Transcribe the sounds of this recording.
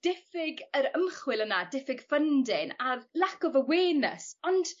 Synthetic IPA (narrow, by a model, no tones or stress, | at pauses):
d̥ɪfɪɡəɾəmχwɪlˠənadɪfɪɡfəndɪnarlakɔvəweːnə̰sɔnd̥